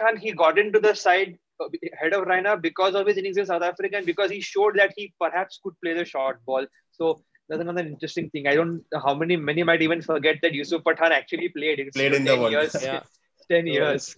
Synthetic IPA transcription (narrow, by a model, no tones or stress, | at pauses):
pʈʰãːnɦiːɡɔːʈɪ̃ɳʈud̪əsaɪɖ̚ | hɛɖɔʋɾãɪnabɪkɔːzɔʋɪzɪ̃nɪ̃ŋs̬ɪ̃nsaʊt̪ʰæfɾɪkaɛ̃nbɪkɔːzhiːʃoːɖ̚d̪æʈhiːpəɾɦæpskʊɖ̚pleːd̪əʃɔːɾʈ̚bɔːl | soː | d̪ɛzənʌd̪əɾɪ̃ɳʈɾɛsʈɪ̃ŋt̪ʰɪ̃ŋaɪɖõːɳʈɦaʊmɛnimɛnimaɪʈiːʋə̃nfəɾɡɛʈ̚d̪æʈjuːsufpəʈʰãːnæk̚t͡ʃuəlipleːɖɪ̃nleɪ̃ndə̃jɾz | ʈɛ̃njiəɾz̥